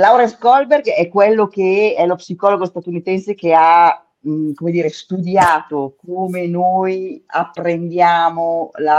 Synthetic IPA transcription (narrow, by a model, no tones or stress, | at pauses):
lawɾeskɔlberɡɛkːwelːok̟eɛlopsikɔloɡost̪at̪unit̪ɛnsek̟ea | mkomed̪iːɾest̪ud̪jaːt̪okoːmenoːja̰pːɾend̪jaːmola